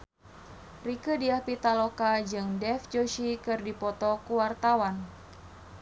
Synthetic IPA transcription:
rikədiahpit̪alokad͡ʒɨŋdɛfd͡ʒoʃikɨrdipɔt̪ɔkuwart̪awan

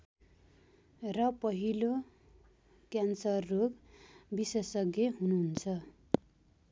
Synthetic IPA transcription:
rʌpʌɦilo | kjansʌrːoɡbisesʌɡjʌɦunuɦnt͡sʰʌ

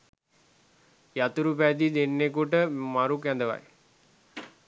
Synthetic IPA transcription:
jat̪uɾupæd̪id̪enːekuʈəmaɾukjænd̪əʋa̰j

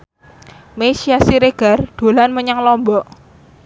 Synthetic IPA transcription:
mesiasiɾeɡ̥a̤rd̪̥o̤lanməɲaŋlɔmbɔʔ

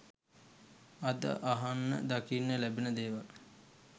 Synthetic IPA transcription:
ad̪ə̰ʔaɦanːə̰d̪akinːəlæbenəd̪eːʋal

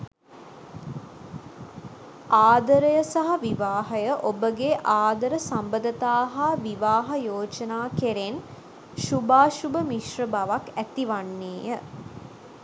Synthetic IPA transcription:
aːd̪əɾəjəsaɦaʋiʋaːɦɐjəʔobəɡeʔaːd̪əɾəsambəd̪ət̪aːɦaʋiʋaːɦɐjoːt͡ʃənaːkeɾen | ʃubaːʃubəmiʃrəbaʋakæt̪iʋanːeːjə

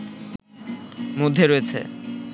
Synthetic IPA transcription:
mod̪ʱːeɾoet͡ɕʰḛ

